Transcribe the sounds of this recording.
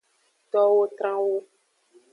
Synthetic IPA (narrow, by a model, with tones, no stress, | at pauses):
t̪ɔ˦wo˦t̪ɾã˦wo˦